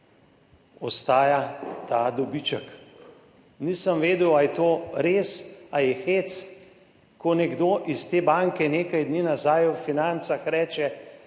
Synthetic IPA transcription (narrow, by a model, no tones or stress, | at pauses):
ɔst̪aːjat̪ad̪ɔbit͡ʃək | niːsəmʋeːd̪uwajɛt̪oːɾeːsajɛxeːt̪s | kɔnɛɡd̪oːʔist̪eːbaŋkɛneːkajd̪niːnazaːjɔfinant̪saxɾɛːt͡ʃɛ